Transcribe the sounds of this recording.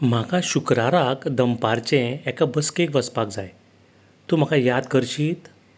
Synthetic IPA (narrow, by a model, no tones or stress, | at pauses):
m̤akaɕukɾaɾakd̪əmpaɾt͡ɕẽɛkabəskekʋəspakd͡zaj | t̪um̤akajad̪kəɾɕiːt̪